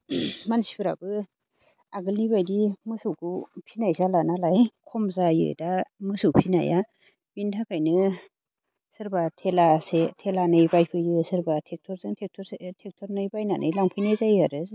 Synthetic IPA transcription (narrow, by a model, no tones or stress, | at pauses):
mansi̥pʰɯɾa̰bɯ | aɡɯlnibajdimɯsɯwkʰupʰinajzalanalajkʰɔmzajɯ̰damɯsɯwpʰina̰ja | bintʰakʰajnɯ | sɯɾbatʰelasetʰelanɯjbajpʰɯjɯsɯɾbatʰek̚tʰɔɾzɯŋtʰek̚tʰɔtʰek̚tʰɔɾnɯjbajnanʔɯjlaŋpʰɯjnajzajaɾɯz